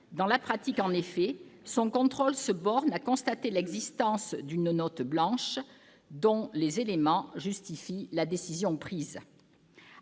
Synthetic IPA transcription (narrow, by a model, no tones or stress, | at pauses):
d̪ɑ̃lapχat̪ikɑ̃nefɛsɔ̃kɔ̃t̪χɔlsəbɔʁnakɔ̃st̪at̪elɛɡzist̪ɑ̃sd̪ynnɔt̪blɑ̃ʃ | d̪ɔ̃lezelemɑ̃ʒyst̪ifilad̪esizjɔ̃pχiz